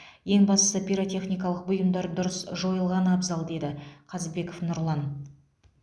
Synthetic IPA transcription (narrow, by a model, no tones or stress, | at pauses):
je̞ŋbɑst̪əsəpʲiɾot̪ʲe̞χnʲijkɑlˠəq̚bʊjəmd̪ɑɾd̪ʊɾəsʒo̞jəlˠʁɑnɑbzɑlˠd̪e̞d̪ɪqʰɑzbe̞kofnʊɾlˠɑn